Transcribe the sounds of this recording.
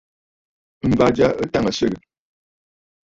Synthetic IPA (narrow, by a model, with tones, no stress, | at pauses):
m̩˨ba˨d͡ʒa˦ʔə˦ta˦ŋə˨sə˦˨ɡə˨